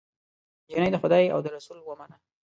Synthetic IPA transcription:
d͡ʒinajd̪əxʊd̪ɑja̰wd̪əɾasulwəmanə

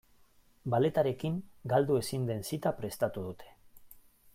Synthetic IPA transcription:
bale̞t̪aɾe̞kiŋɡald̪ue̞sind̪e̞nsit̪apɾe̞st̪at̪uð̞ut̪ʰe̞̥

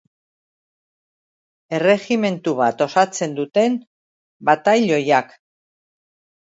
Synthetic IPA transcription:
e̞re̞ɣime̞nt̪uβat̪o̞sat͡se̞nd̪ut̪e̞n | bat̪ajʎo̞jak

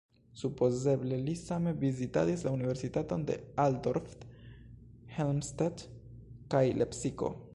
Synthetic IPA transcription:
supo̞ze̞ble̞lisame̞vizita̰dislaunive̞ɾsitato̞nde̞̰aldoɾft | helmstat | kajlʔepsiko̞̰

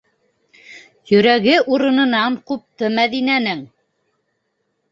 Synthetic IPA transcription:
jɵ̆ɾæɣɘʔuɾɤ̆nɤ̆nɑɴqup̚t̪ɤmæðinænɘŋ

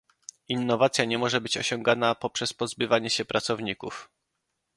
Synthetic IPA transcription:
inːɔvat̪sʲjaɲɛmɔʐɛbɘt͡ɕɔ̰ɕɔŋɡanapɔpʂɛspɔzbɘvaɲɛɕɛpɾʔat̪sɔvɲikuf

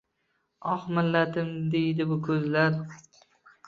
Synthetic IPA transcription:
ɒχmɪlːat̪ɪmd̪e̞jd̪ɪbʊkʰɵzlaɾ

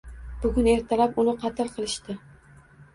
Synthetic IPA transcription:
bʊɡʲʊne̞ɾt̪ʰalapʊnɪqʰɑt̪ʰɪlˠqʰɨlˠɪʃt̪ɪ

